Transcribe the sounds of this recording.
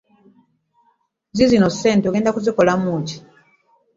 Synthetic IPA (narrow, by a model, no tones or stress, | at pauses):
zizino̞se̞ːntoɡe̞ːndakuziko̞lamuːci̥